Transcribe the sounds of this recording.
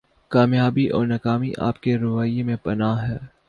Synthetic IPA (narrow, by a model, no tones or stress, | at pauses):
kaːmjaːbiʔɔ̰ːɾnɐkaːmiʔa̰ːpkeɾʊʋaːjemẽpɐnaːɦɛː